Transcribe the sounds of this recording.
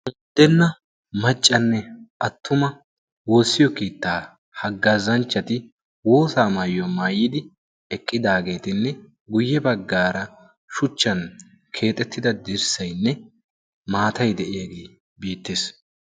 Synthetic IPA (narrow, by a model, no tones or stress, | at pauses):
ʔʊnd̪ːɛnːɐ | mɐt͡ʃʼːɐnːɛʔɐt̪ːʊmɐ | wo̞ːsːɪjɔkiːt̪ːaː | hɐɡːɐzɐnt͡ʃːɐt̪ɪ | wo̞ːsaːmɐjɔmaːjɪd̪ɪ | ɛkʼːɪd̪aːɡe̞ːt̪ɪnːɛ | ɡʊjːɛbɐɡːaːɾɐ | ʃʊt͡ʃːɐn | kʰe̞ːt̪ʼɛt̪ʰːɪd̪ɐd̪ɪɾsɐjnːɛ | maːt̪ɐjd̪ɛʔɪjɐɡe̞ː | biːt̪ːeːs